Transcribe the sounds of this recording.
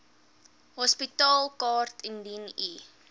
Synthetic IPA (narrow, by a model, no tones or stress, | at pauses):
ɦɔspitɑːlˠkɑːrtʰɛndini